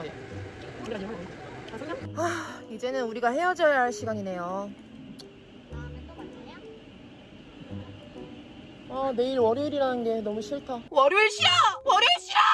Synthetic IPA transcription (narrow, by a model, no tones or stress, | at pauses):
aid͡ʑe̞nɯnuɾiɡahe̞jʌd͡ʑʌɦaɭɕ͈iɡaɲine̞jo | ane̞iɾwʌɾjuɾiɾanɯnɡe̞nʌmuɕʰiɭtʰawʌɾjuɭɕ͈iawʌɾuɭɕ͈ia